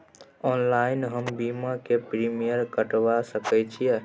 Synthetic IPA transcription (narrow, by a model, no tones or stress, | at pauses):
ɔnlajnɦəmbimakepɾimijəɾkəʈʋasəkɛt͡ʃʰijɛ